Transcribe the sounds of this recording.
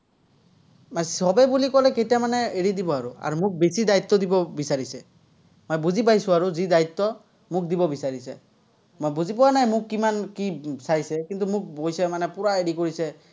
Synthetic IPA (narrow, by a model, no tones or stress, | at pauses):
majsɔbɛbulikɔlɛkejtjamanɛeɹidibɔaɹṵa̰ɹumʊk̚besidait̪ːɔdibɔbisaɹisɛ | mojbuzip̬ajsʊ̃aɹuzidait̪ːɔ | mʊk̚dibɔbisaɹisɛ̰ | mojbuzipɔwanajmʊkːimankisajsɛkint̪umʊk̚bojsɛmanɛpʊɹaeɹikoɹisɛ